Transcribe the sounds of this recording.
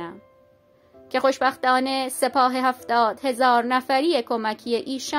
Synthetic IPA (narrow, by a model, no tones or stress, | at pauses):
æm | cʰe̞xoʃbæxt̪ɒːne̞se̞pʰɒːɦe̞hæft̪ɒːd̪̥he̞zɒːɾnæfæɾiːekʰomæcʰijeʔiːʃɒ